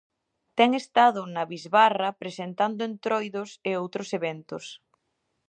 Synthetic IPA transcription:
t̪ɛŋest̪aðʊnaβizβarɐpɾesent̪and̪ʊent̪ɾojðoseowt̪ɾʊseβɛnt̪ʊs

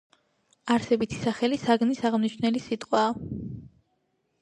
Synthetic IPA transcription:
aɾsɛbit̪ʰi̥saχɛlisaɡnisaʁmniʃnɛlisit̪ʼqʼwaː

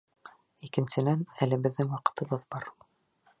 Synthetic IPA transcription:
ikɘ̆nsɘ̆nænælɘ̆bɘ̆ðːɘŋwɑqɤ̥̆t̪ɤ̆bɤðbɑɾ

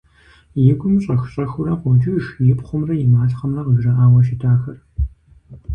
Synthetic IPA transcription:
jɪɡʷʊmɕʼɐxɕʼɐxʊɾɐqʷɔd͡ʒɪʃjɪpχʷʊmrɐjɪmaːɬχɐmrɐʁəɡʐɐʔaːwɐʃɪtʰaːxɐr

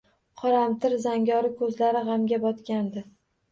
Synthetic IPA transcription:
qʰɒɾamt̪ʰɪɾzaŋɡʲɒɾɪkʰɵzlaɾɪʁamɡʲabɒt̪kʲand̪ɪ

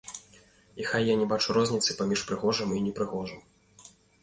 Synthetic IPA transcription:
ixajːanʲɛbat͡ʂuɾɔzʲnʲit̪sɨpamʲiʂpɾɨɣɔʐɨminʲɛpɾɨɣɔʐɨm

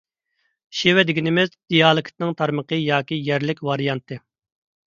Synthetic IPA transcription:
ʃewɛd̪ɪɡʲinɪmɪzd̪̥ijɑːlˠɨkʲʰt̪nɪŋt̪ʰɑɾməqəjɑːkʲijɛɾlɪkʲvɑɾijɑnt̪ʰɨ

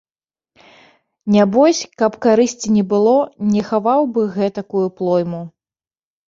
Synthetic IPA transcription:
nʲabɔsʲkɐpkaɾɨsʲt͡sʲinʲɛbɨlˠɔnʲɛxavawbɨɣɛt̪ɐkujuplˠɔjmu

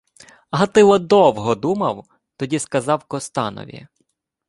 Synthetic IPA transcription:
ɐɦɐt̪ɪwɔd̪ɔwɦɔd̪umɐw | t̪ɔdʲiskɐzɑwkɔst̪ɑnɔ̰ʋʲḭ

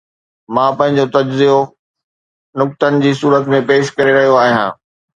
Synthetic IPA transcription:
mãːpɐ̃ɦɪ̃ɲ̆d͡ʑot̪ɐd͡ʑzijo | nʊk̚t̪ənɪ̆d͡ʑiːsuːɾət̪mẽpeːʃkɐɾeɾɐɦijoaːɦijã̰ː

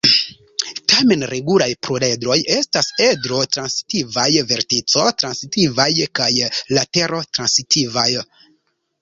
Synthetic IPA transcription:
tame̞nɾe̞ɡulajpɾole̞dɾo̞je̞stase̞dɾo̞tɾansi̥tivajve̞ɾtit͡so̞tɾansitivajkajlate̞ɾo̞tɾansitʰivaj

